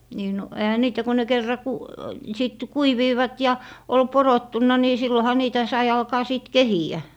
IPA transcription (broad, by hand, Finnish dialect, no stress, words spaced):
niː no ehæ niːtæ ko ne kerːɑ ku siˑt kuiʋiːʋɑt jɑ ol porotːunːɑ ni silːohɑ niːtæ sɑi ɑlkɑː siˑt kehiæ